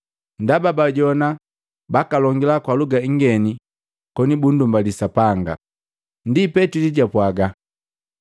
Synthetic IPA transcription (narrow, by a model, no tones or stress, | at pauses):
ndababaɟɔna | bakalɔŋɡilakwaluɡaiŋɡɛni | kɔnibundumbalisapaŋɡa̰ | ndipɛtiliɟapwaɡa